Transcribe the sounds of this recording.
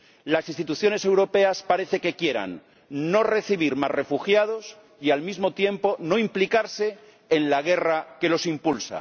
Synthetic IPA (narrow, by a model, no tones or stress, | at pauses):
lasinst̪it̪uθjo̞ne̞se̞wɾo̞pe̞aspaɾe̞θe̞ke̞kje̞ɾa̰nː | o̞re̞θiβ̞iɾmasre̞fuxjað̞o̞s | ialmizmo̞t̪je̞mpo̞no̞implikaɾse̞ː | nlaɣ̞e̞rake̞lo̞simpulsa̰